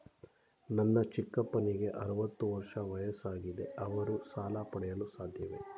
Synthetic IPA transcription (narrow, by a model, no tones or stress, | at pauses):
nɐnːɐt͡ʃikːɐpɐniɡe̞ʔɐɾuʋɐt̪ːuʋɐɾʂɐʋɐjɐsaːɡid̪e̞ʔɐʋɐɾusaːlapɐɽɛjɐlusaːd̪ʱjɐʋe̞̰